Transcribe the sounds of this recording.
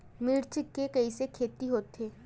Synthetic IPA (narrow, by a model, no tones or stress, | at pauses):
mɪɾt͡ʃɪkːekɐisekʰeːt̪iɦoːt̪ːeː